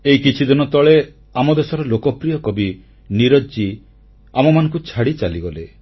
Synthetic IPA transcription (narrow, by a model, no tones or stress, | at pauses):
eikit͡ʃʰid̪inɔt̪ɔɭe | amɔd̪esɔɾɔlokɔpɾijɔkɔbi | niɾɔd͡ʒi | amɔmanɔ̃ŋkut͡ʃʰaɽit͡ʃaliɡɔle